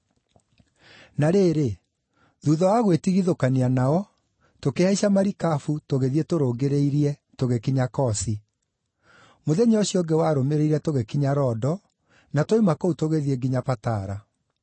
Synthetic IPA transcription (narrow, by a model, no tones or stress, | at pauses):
naɾeːɾe | ðuːðɔwaɣwetiɣiðokanianaɔ | tokehaiɕamaɾikafutoɣeðietoɾoːɡeɾeiɾiɛtoɣekiɲakɔsi | moðɛɲeoɕiɔŋɡewaɾomeɾeiɾɛtoɣekiɲaɾɔːdɔ | natoimakoutoɣeðieɡiɲapataɾa